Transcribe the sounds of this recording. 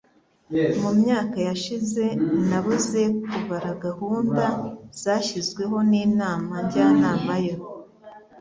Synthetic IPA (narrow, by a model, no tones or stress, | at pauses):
mumɲaːkajaʃize̞naβuze̞kuβaɾaɡahuːndaz̥aːʃizɡwe̞ɦo̞niːnaːmaɲɟaːnaːmajo